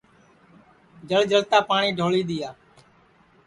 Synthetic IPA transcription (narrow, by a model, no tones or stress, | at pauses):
d͡ʒəld͡ʒəlt̪aːpaːɳiːɖʱoːɭiːɗ̪ɪjaː